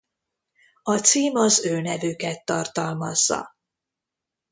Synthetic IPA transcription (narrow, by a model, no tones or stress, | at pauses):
ɒt̪siːmɒzøːnɛvykɛt̪ːɒrt̪ɒlmɒzːɒ̰